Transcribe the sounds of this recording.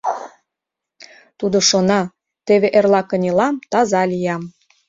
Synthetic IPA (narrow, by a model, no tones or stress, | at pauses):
t̪ud̪oʃonɑ | t̪eβeʔerlɑkə̆nʲelɑmt̪ɑzɑlʲijɑm